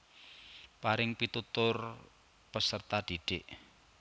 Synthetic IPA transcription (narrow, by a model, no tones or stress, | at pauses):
paɾɪŋpit̪ut̪ʊr | pəsərt̪ad̥iɖ̥eʔ